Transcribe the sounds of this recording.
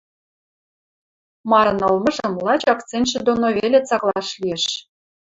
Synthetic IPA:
mɑɾɤ̆nɤlmɤ̆ʒə̆mlɑt͡ɕɑkt͡sent̪ʃĕd̪onoβelʲet͡sɑklˠɑʃlijĕʃ

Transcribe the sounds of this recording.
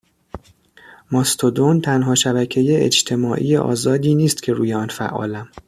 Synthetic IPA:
mɒst̪ʰod̪ont̪ʰænɦɒːʃæbæcʰejeḛd͡ʒt̪ʰe̞mɒːʔḭːjeʔɒ̰ːzɒːd̪iːniːst̪cʰe̞ɾuːjeɒːnfæ̰ʔːɒ̰ːlæm

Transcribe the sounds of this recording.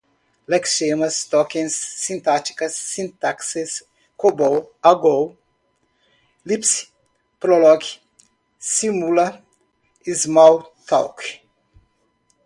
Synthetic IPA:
lɛksemɐst̪ɔkĩnsːĩnt̪at̪i̥kɐsːĩnt̪akses | kobowaɡow | lips | pɾolɔk | simulɐ | izmawt̪ʰa̰wk

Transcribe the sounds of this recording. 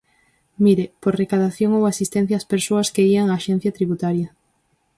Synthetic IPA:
miɾepoɾrekaðaθjoŋowasist̪ɛ̃n̟θjaːspeɾsoɐskeiaŋaːʃen̟θjɐt̪ɾiβut̪aɾjɐ

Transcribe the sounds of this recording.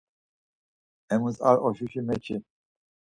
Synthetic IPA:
ɛmusa̰ɾɔʃuʃimɛt͡ʃʰi

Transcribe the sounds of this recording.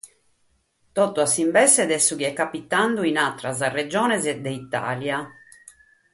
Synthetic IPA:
t̪ɔt̪ːuasimbɛsɛd̪ɛsːukiɛkːapit̪ːand̪uinat̪ːɾazared͡ʒɔːnɛzɛd̪ɛit̪ːa̰ːlja

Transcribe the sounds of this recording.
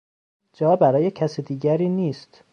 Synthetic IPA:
d͡ʒɒːbæɾɒːje̞cʰæsiːd̪iːɡæɾiːniːst̪

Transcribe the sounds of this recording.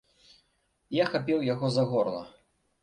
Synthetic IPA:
jaxapʲɛwjaɣɔzaɣɔɾlˠɐ̰

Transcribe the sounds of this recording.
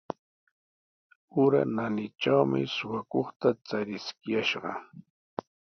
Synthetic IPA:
ʊɾa̰nanɪt͡ʃawmɪ̰sʊwakoχt̪at͡saɾɪskɪjaʃɢɑ̰

